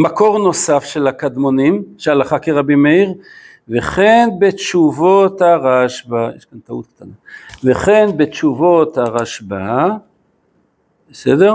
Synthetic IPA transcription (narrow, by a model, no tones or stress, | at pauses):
mako̞ʁno̞safʃe̞lakad̪mo̞nimʃealaχakeʁabimeiʁ | veχenbet͡ʃuvot̪aʁaʃbajḛʃkant̪aṵt̪̚kt̪anaveχe̞nbet͡ʃuvot̪aʁaʃba | besedeʁ